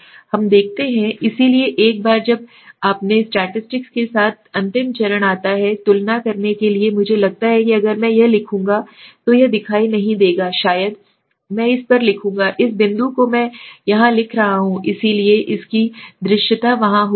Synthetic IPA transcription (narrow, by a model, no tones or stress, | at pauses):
hɐmd̪eːk̚ʰt̪eɦɛ̃ɪsilieʔeːk̚baːɾd͡ʒɐb̚ | aːpnesʈɛːʈɪsʈɪkskesaːt̪̚ʰɐ̃nt̪ɪmt͡ʃɐɾəɽ̃aːt̪aɦɛt̪ʊlnakɐɾnekeliemʊd͡ʒʱelɐɡ̚t̪aɦɛkiɐɡəɾmɛ̃jɐɦlɪkʰũːŋɡat̪ojɐd̪ɪkʰaːinɐɦĩd̪eːɡaːʃaːjəd̪ | mɛ̃ɪspɐɾlɪkʰũːŋ̆ɡaʔɪsbɪ̃nd̪ukomɛ̃ːjɐɦãlɪkʰɾɐɦaɦũʔɪsilieʔɪskid̪ɾɪʃət̪aʋɐɦãɦ